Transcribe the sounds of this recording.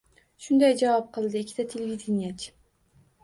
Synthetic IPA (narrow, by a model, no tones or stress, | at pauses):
ʃʊnd̪ajd͡ʒavɑp̚qʰɨlˠd̪ɨɪkʲʰːɪd̪̥at̪ʰelʲvid̪enijat͡ʃʰ